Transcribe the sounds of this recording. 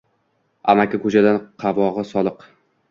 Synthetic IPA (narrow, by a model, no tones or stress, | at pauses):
a̰makʲakʰɵt͡ʃad̪anqʰɑvɒʁɨsɒlˠɨq